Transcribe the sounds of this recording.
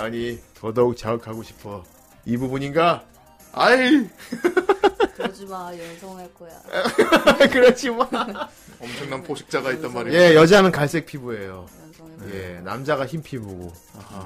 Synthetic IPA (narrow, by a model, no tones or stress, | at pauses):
aɲitʌdʌuk̚t͡ɕaɯkʰaɡoɕʰi̥pʰʌ | ibubuɲinɡa | aj | d͡ʑmajʌnsʰʌŋɦaɭk͈oja̰ | kɯɾʌt͡ɕʰima | ʌmt͡ɕʰʌŋnampʰoɕʰi̥k̚t͡ɕ͈aɡait͈̚ʌnmaɾije̞jʌd͡ʑanɯnkaɭs͈e̞k̚pʰibue̞jo | je̞namd͡ʑaɣaçimpʰiboɡo